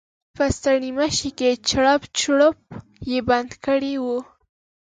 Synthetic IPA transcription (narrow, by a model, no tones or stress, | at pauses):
pəst̪aɳimaʃiket͡ʃɽapt͡ʃɽəp̚ | jeband̪kəɽiwu